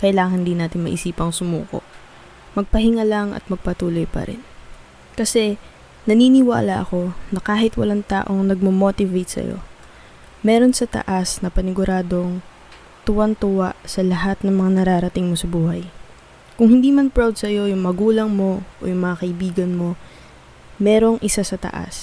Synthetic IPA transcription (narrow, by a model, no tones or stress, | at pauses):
kɐjlaːɐŋhɪnd̪iːnaːt̪ɪnmɐ̰ʔɪsiːpɐŋsʊmṵːko̞̰ʔ | mɐɡ̚pɐɦɪŋɐlɐŋʔɐ̰t̪̚mɐɡ̚pɐt̪uːlo̞jpɐ̰ɾɪ̰n | kɐsɛ | nɐniːnɪwa̰ːlɐʔɐko̞nɐkaːɦɪt̪wɐ̰laŋt̪a̰ːʔo̞ŋnɐɡ̚mɐmo̞t̪ɪvejt̪̚sɐ̰jo̰ | mɛːɾo̞nsɐt̪ɐ̰ʔasnɐpɐnɪɡʊɾaːd̪o̞ŋ | t̪ʊwant̪ʊwaʔsɐlɐɦat̪̚nɐŋmɐŋanɐɾaːɾɐt̪ɪŋmo̞sɐbuːhɐj | kʊŋhɪnd̪iːmɐnpɹawd̪̚sɐjo̞jʊŋmɐɡuːlɐŋmo̞ʔo̰jʊŋmɐŋakɐʔɪbiːɡɐnmo̞ | mɛːɾo̞ŋʔɪsasɐt̪ɐ̰ʔa̰s